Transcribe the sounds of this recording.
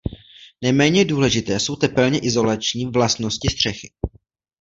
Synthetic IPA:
nɛmɛːɲɛduːlɛʒɪt̪ɛːso̞wt̪ɛpɛlɲɛʔɪzo̞lat͡ʃɲiːvlast̪no̞scɪst̪r̝̥ɛxɪ

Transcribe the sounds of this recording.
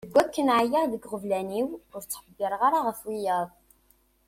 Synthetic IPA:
əɡʷːækːənʕajæʁðəɡʁəvlæniwʊɾt͡sːħəbːɪɾˤʁaɾaʁəfwijæðˤ

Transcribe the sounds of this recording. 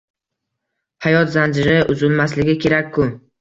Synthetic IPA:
hajɒt̪zand͡ʒɪɾɪʔʊzʊlmaslɪɡʲɪkʲʰe̞ɾakʲʰːʊ

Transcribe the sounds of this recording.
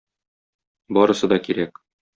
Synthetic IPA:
bɒɾɤ̆sɤd̪ɒkiɾæk

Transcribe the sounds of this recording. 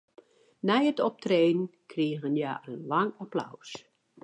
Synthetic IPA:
nɛjətɔp̚treːnnkʰriəɣənjaʔənlaŋapla̰ws

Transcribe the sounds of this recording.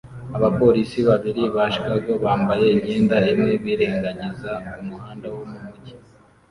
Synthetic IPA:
aβapo̞ɾisiβaβiɾiβaʃkaɡo̞βaːmbaje̞imɲeːndaemŋe̞βiːɾe̞ːŋɡaɲizakumuhaːndawomumuɟi̥

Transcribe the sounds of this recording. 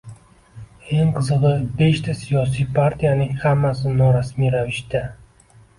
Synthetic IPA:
e̞ŋqʰɨzɨʁɨbe̞ʃt̪ʰasijɒs̬ijpʰaɾt̪ʰijanɪŋhamːasɪnɒɾasmijɾavɪʃt̪a

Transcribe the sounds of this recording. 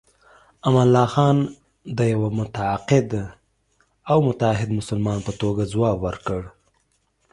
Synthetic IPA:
amalːɑxɑn | d̪əjawamʊt̪aaqɪd̪ | awmʊt̪aɦɪd̪mʊsʊlmɑnpət̪oɡazwɑbwəɾkəɽ

